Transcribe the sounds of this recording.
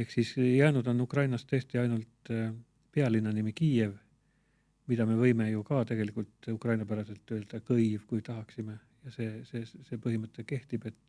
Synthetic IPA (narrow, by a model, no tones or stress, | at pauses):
ehksiːsjæːnud̪̥o̞nːukrɑjnɑst̪ːɤst̪iɑjnult̪ | peɑlinːɑnimikiːe̞v | mid̪̥ɑme̞vɤjme̞jukɑt̪e̞ɡ̥e̞likˑult̪ˑukrɑjnɑpæɾɑse̞lt̪ːˑøe̞ld̪̥ɑkɤjvkujt̪ɑɦɑksime̞ | jɑse̞ːseːse̞ːpɤɦimɤt̪ːˑe̞ke̞ht̪ib̥e̞t̪ːˑ